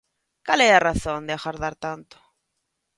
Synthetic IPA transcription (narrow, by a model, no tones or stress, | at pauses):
kalɛaraθõnd̪eaxaɾðaɾt̪ant̪o̥